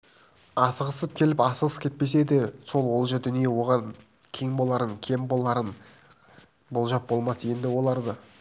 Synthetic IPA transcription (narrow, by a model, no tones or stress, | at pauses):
ɑsəʁəsəp̚kʲʰe̞lɪpɑsəʁəskʲʰe̞t̪̚pe̞s̬e̞d̪ɪso̞lˠwo̞lˠʒɑd̪ʏnije̞wo̞ʁɑŋ | kʲʰejŋbo̞lˠɑɾəŋkʲʰe̞mbolˠɑɾən | bolˠʒɑp̚bo̞lˠmɑsje̞nd̪ɪwo̞lˠɑɾd̪ə